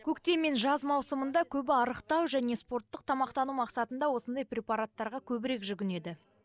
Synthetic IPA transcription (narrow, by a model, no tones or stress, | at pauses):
kʲʰɵkt̪e̞me̞nʒɑzmɑwsəmənd̪ɑkʲʰɵbɪɑɾəqt̪ɑwʒæne̞spo̞rt̪ːəqt̪ʰɑmɑqt̪ɑnumɑqsɑt̪ənd̪ɑwo̞sənd̪ɑjpɾʲe̞paɾat̪ːɑɾʁɑkʲʰɵbɪɾe̞kʒʏɡʲɪne̞d̪ɪ